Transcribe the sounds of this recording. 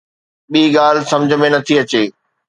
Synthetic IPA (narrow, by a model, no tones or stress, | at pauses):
ɓiːɠaːl̤ɪsɐ̃md͡ʑ̆ʱmẽnɐt̪ʰiɐt͡ɕeː